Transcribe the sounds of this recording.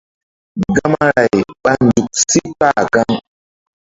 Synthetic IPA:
ɡa˦ma˦ɾa˨jɓa˦n˨du˨k̚si˦k͡pa˦˨ɡa˦ŋ

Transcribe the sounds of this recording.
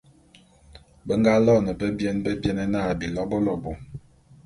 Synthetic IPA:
bə˦ŋɡa˦lɔ˦˨nə˨pə˦bjɛ˦nbə˦bjɛ˦nɛ˦naː˦˨bi˨lɔ˦bɔ˦lɔ˨bo˨

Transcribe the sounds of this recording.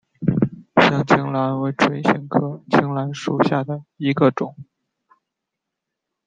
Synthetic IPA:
ɕjɑ˥˩ŋt͡ɕʰi˧˥ŋla˧˥nwe˧˥ɪʈ͡ʂʰwe˧˥ɪɕi˧˥ŋkʰɤ˥˩t͡ɕʰi˧˥ŋla˧˥nʂu˨˩ɕja˥˩d̪ə˩i˧˥ɡə˧ʈ͡ʂʊ˨˩˦ŋ

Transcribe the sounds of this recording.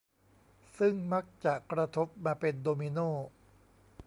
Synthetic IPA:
sɯ˥˩ŋma˦˥k̚t͡ɕa˨˩kɾa˧t̪ʰo˦˥p̚maː˧pe˧ndoː˧mi˧noː˥˩

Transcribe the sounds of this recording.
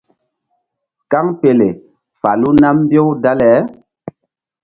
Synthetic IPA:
ka˦ŋpe˨le˨ | fa˨lu˦na˦m˦bjo˦wda˦lɛ˨˦

